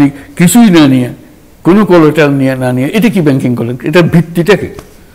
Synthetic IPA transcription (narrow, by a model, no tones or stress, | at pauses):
nikisujnanija | konokoloʈalnijananijaʔetakibɛŋkiŋkɔlenetabʱit̪ːitakḭ